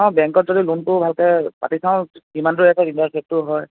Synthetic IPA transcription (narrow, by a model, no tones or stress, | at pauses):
aʊ̃bɛ̃ŋkɔt̚zɔdilunpʊbʱalkɛpa̰tisãʊ̃imanduɛtaintasʰɛp̚tʊɦɔj